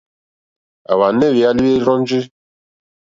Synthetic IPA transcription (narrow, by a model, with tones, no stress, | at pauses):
a̰˨wa˨nɛ˦˨wi˨a˦li˦e˦ɾɔ˦n˦d͡ʒi˦